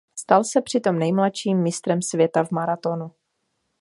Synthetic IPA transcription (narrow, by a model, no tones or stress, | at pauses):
st̪alsɛpr̝̥ɪt̪o̞mnɛjmlatʃiːmːɪst̪ɾɛmsvjɛt̪avmaɾat̪o̞nu